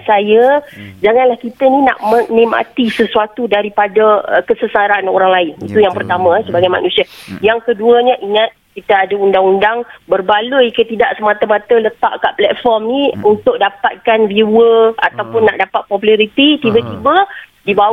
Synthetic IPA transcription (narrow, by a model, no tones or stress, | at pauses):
sajəd͡ʒaŋanlahkit̪ənina̰ʔmənɛ̃ma̰t̪isəsuat̪udaɾipadaəkəsəsaɾanoɾaŋlaɪnit̪ujaŋpərt̪amãɛsəbaɡajma̰nũsiajaŋkəduəɲaʔiŋãt̪̚kit̪aadaundaŋundaŋbərbaluikət̪idaʔsəmat̪amãt̪ələt̪a̰ʔkaʔplɛt̪̚fɔrmniunt̪ʊk̚dapat̪̚kanviwəat̪awpʊnːaʔdapat̪̚pɔpulaɾit̪it̪ibət̪ibədiba